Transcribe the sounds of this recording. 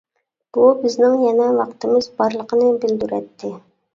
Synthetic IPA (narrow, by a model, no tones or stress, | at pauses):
b̥ubɪznɪŋjɛnɛvɑqt̪ɨmɨzbɑɾlˠəqənɨbɪld̪yɾɛ̰t̪ʰːɪ